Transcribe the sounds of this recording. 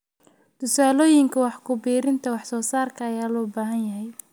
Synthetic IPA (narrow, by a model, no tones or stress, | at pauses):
t̪ʰʊsaːlɔːjɪŋkʰɐwɑħkʰʊbiːɾɪnt̪ʰɐwɑħsɔːsaːrkʰɐɐjaːlɔːbaːɦɐnjɐɦɛj